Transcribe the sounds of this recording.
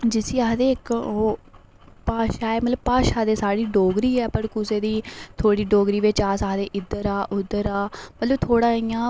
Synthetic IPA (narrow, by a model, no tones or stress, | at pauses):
d͡ʒɪsiːaːɦd̪eːɪkoː | paːʃaːɛːmət̪ləb̚paːʃaːd̪eːsaːɽiːɖoːɡɾiːɛːpəɾkʊseːd̪iːt̪ʰoːɽiːɖoːɡɾiːʋeːt͡ʃaːsaːɦd̪eːʔɪd̪əɾaːʔʊd̪ːəɾaːmət̪ləbt̪ʰoːɽãːiːjãː